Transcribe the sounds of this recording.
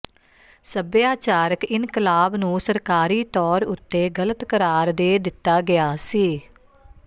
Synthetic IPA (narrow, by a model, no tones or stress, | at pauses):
səbjaːt͡ʃaːɾəkɪnkəlaːbnũːsəɾkaːɾiːt̪ɔːɾʊt̪ːeːɡələt̪kəɾaːɾd̪eːd̪ɪt̪ːaːɡɪaːsiː